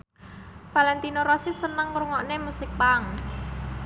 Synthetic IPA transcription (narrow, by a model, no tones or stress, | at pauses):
falɛnt̪inoɾɔsisənəŋɾuŋɔʔnemusɪk̚paŋ